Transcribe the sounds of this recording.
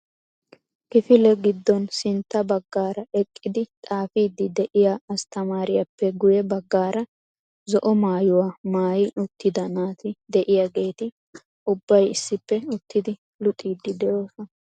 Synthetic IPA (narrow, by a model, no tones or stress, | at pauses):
kɪfɪlɛɡɪd̪ːɔnsɪnt̪ːɐbɐɡːaːɾɐʔɛkʼːɪd̪ɪt̪ʼaːfiːd̪ːɪd̪ɛʔɪjaɐst̪ɐmaːɾɪjɐpːɛɡʊjɛbɐɡːaːɾɐ | zɔʔɔmaːjʊwaːmaːjɪʔʊt̪ːɪd̪ɐnaːt̪ɪd̪ɛʔɪjaɡe̞ːt̪ɪ | ʊbːɐjɪsːɪpːɛʊt̪ːɪd̪ɪ | lʊt̪ʼiːd̪ːɪd̪ɛjoːsɐ